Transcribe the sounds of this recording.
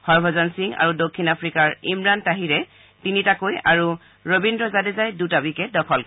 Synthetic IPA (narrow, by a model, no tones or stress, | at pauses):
hɔɹbʱɔzɔnsiŋa̰ɹudokʰːinapʰɹikaɹimɹantaɦiɹɛ | tinitakojaɹu | ɹobindɹɔzadɛzajdutabikɛdɔkʰɔl